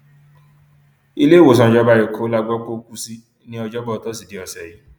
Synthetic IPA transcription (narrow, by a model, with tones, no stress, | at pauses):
i˧le˦˨wo˨s̬ã˧˨d͡ʒɔ˦ba˧˦˨e˨kʰo˦la˦ɡ͡bɔ˦ko˦ku˦si˦ | nĩ˦ɔ˧d͡ʒɔ˦ba˦˨tɔ˦si˨de˨˦ɔ˨sɛ˨ji˨˦